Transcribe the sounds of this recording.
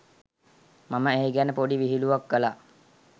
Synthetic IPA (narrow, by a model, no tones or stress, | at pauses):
maməeiɡænəpoɖiʋiɦiluʋakːəla